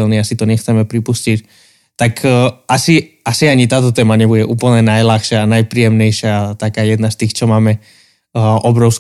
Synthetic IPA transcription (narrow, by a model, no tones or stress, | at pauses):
ɛlniasit̪ɔɲɛxt͡sɛmɛpɾipuscic | t̪akʰːʔasi | asiaɲit̪aːt̪̬ɔt̪ɛːmaɲɛbuɟɛʔuːpl̩ɲɛnajlaxʃɪaːnajpɾiːjɛmɲɛjʃɪat̪akaːjɛd̪nast̪iːxt͡ʃɔmaːmɛ | ʔɔbɾɔʊs